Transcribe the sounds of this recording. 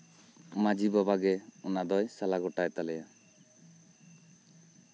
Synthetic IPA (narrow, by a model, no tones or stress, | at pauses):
mad͡ʒibabaɡɛunad̪ɔjsalaɡɔʈajt̪alɛja